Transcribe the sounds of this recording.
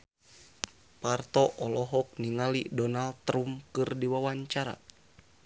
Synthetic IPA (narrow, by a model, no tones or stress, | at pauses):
part̪ɔʔɔlɔɦɔk̚niŋalidɔnalɾumkɨrdiwawaɲt͡ʃaɾa̰